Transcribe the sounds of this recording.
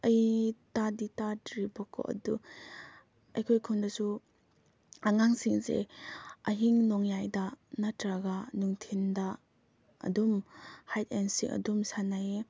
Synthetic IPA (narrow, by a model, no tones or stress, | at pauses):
ɐjtaditadɾibɔkʰo̰ʔɐ̰du | ɐjkʰɔjkʰundasu | aŋaŋsiŋzḛɐɦiŋnɔŋjajdanatɾaɡanuŋtʰinda̰ː | dumhajt̚ensḭŋʔɐ̰dumsanaje